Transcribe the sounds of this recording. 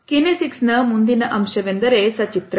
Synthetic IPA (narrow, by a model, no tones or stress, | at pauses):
kinesiksnɐmund̪inɐʔɐmʃɐʋend̪ɐɾesɐt͡ʃit̪ɾ